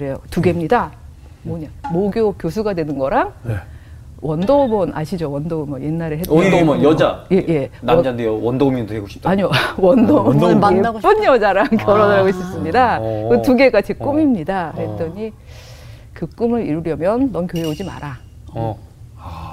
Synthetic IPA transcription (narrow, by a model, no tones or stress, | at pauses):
kɯɾe̞jotuɡe̞mɲida | mʌɲamoɡjokjos̬ʰuɡadwe̞nɯnɡʌɾaŋne | wʔʌndomʌna̰ɕʰid͡ʑowʌndomʌnjenːaɾeɦetndomjʌd͡ʑajeje̞nad͡ʑandejowʌndomindoheɡoɕʰi̥p̚t͈aaɲiwʌndomʌɡeunjʌd͡ʑaɾaŋkjʌɾʌdɯɾaɡoɕʰis͈ɯmɲidakɯtuɡe̞ɡat͡ɕʰek͈omimɲidahe̞t͈ʌɲi | kɯk͈ɯmɯɾḭɾuɾjʌmjʌnːʌnkjoɦe̞od͡ʑima̰ɾʔa